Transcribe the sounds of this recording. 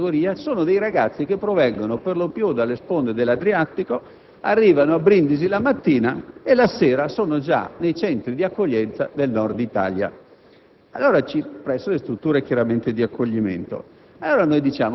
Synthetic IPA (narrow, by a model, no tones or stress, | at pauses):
ɡoɾiːasoːnod̪ejɾaɡat̪sːik̟epːɾovɛŋɡonoperlopjud̪alːespond̪ed̪elːad̪ɾiat̪ːiko | arːiːvanoabɾind̪izilamat̪ːiːnaelaseːɾasoːnod͡ʒa̰nejt͡ʃɛnt̪ɾid̪iakːoʎːɛnt̪sad̪elnɔrd̪it̪a̰ːlja̰ | alːoːɾat͡ʃipɾɛsːolest̪ɾut̪ːuːɾekjaɾament̪ed̪iakʰːoʎːimḛnt̪o̰ | alːoːɾanojd̪it͡ʃaːm